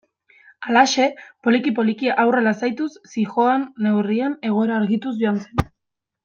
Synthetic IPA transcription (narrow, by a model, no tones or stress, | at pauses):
alaʃe̞po̞likipo̞likiaʔawre̞lasajt̪usːixo̞anːe̞wriane̞ɣ̞o̞e̞ɾaːɾɣit̪uzʝoansen